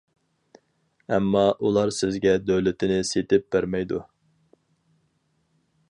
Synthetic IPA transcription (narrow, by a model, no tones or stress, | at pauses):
ɛmːɑʔulˠɑɾsɪzɡʲɛd̪øwlɪt̪ʰɪnɪset̪ɪp̚b̥æɾmɛjd̪u